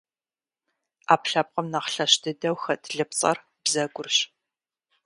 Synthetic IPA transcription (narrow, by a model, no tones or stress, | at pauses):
aːpɬɐp̚qɐmnɐqɬɐɕdʰɨdɐwxɐdʰɮɨpt͡sʼɐ̰r | bzɐɡʷʊrɕ